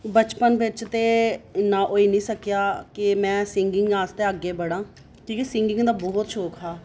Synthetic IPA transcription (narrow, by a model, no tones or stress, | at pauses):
bət͡ʃpənʋɪt͡ʃt̪eːɪnːãːʔoːiːnĩːsəkjaːkɪmɛ̃ːsɪŋɡɪŋɡãːst̪eːəɡːeːbəɽãː | kĩːkisɪ̃ŋɡɪ̃ŋɡd̪aːbɔːt̪ʃʰoːkɦaː